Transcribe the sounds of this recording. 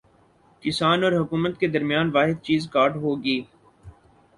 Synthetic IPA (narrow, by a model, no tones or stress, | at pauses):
kɪsaːnɔːɾɦʊkuːmət̪ked̪ɐɾmjaːnʋaːɦɪd̪̚t͡ʃiːzkaːɾʈɦoːɡiː